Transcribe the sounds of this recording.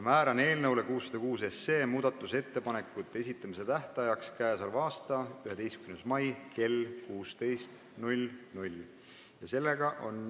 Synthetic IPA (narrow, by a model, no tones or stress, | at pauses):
mæːɾɑne̞ːlnɤwle̞kuːsːɑd̪ɑkuːse̞sːe̞ːmuːd̪̥ɑt̪ːˑuse̞t̪ːe̞pɑne̞kːˑut̪ːˑee̞s̬ʲit̪ˑːɑmise̞t̪æht̪ɑjɑkskæːsolvɑːst̪ɑyɦe̞d̪e̞jskymnesmɑjkʰe̞lkuːst̪e̞jst̪ | nulʲnulʲ | jɑse̞lːe̞ɡɑʔo̞n